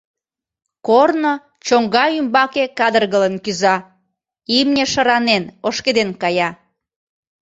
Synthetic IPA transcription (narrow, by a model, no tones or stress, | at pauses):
korno | t͡ɕoŋɡɑymbɑkekɑd̪ərɣələnkyzɑ | imnʲeʃəɾɑnenoʃked̪enkɑjɑ